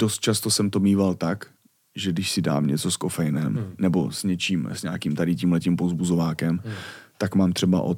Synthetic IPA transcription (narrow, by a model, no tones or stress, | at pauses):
d̥ost̪̚t͡ʃast̪osɛmt̪omiːvalt̪ak | ʒɛɡdɪʃsɪda̰ːmɲɛt͡so̞skofɛjnɛmnɛbo̰sɲɛt͡ʃiːmsɲaːkiːmt̪adɪciːmhlɛciːmpovzbuzovaːkɛmt̪akmaːmt̪r̥ɛba̰ʔo̰